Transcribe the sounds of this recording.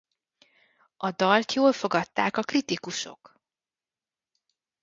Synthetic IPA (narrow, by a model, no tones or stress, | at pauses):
ɒd̪ɒlt̪joːlfo̞ɡɒt̪ːaːkɒkrit̪ikuʃo̞̰k